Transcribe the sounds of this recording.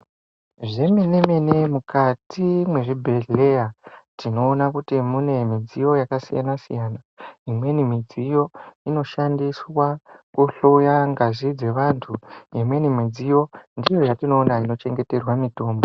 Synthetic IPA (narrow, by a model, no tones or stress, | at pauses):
ʐe̞mene̞mene̞mukatimwe̞ʐibʱe̞ɮe̞jatino̞ːnakutimune̞mid͡zijo̞jakasḭja̰nasḭjana | imwe̞nimid͡zijo̞ino̞ʃandiswakuɬojaŋɡazid͡ze̞ʋantʰuimwe̞nimid͡zijo̞ndijo̞jatino̞ːnaino̞t͡ʃe̞ŋɡe̞te̞rwamito̞ːmbo